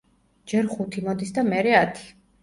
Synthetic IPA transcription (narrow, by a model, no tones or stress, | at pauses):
d͡ʒɛɾχut̪ʰimɔd̪isd̪amɛɾɛat̪ʰi̥